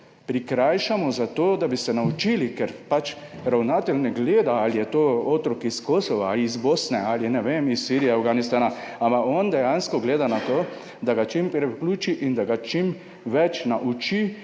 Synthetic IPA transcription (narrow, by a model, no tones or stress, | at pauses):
pɾikɾajʃamɔzat̪oːd̪abisɛnaut͡ʃilikɛɾpat͡ʃ | ɾawnaːt̪ɛlnɛɡleːd̪aalijɛt̪oːoːt̪ɾɔkiskoːsɔʋaiːzbosnɛaljɛnɛʋemisːiɾijɛawɡanist̪anaampakɔnd̪ɛjanskɔɡleːd̪anat̪oː | d̪aɡat͡ʃimpɾɛukluːt͡ʃiʔind̪aɡat͡ʃim | ʋɛt͡ʃnaʔut͡ʃi